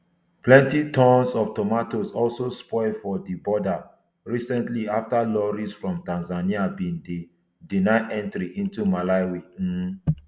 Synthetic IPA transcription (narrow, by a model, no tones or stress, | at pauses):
plɛ̃ntitɔ̃nsɔftɔmatosɔlsospɔɪfɔdibɔda | ɹisɛ̃ntliaftalɔɹisfɹɔ̃mtãnzaniabĩnde | dinaɪʔɛ̃ntɹiʔĩntumalaɪwe